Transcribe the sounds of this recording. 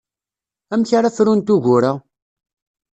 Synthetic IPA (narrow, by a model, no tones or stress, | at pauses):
æmçaɾafɾunt̪uʝʊɾa